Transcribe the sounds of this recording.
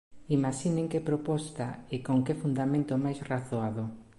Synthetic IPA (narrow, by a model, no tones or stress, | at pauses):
imaʃineŋkepɾopɔst̪aɪkoŋkɪfund̪amẽnt̪omajsraθoaðʊ